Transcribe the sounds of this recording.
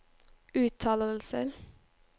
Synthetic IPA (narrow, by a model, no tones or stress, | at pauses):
ʉːt̪ʰːɑːləl̩səɾ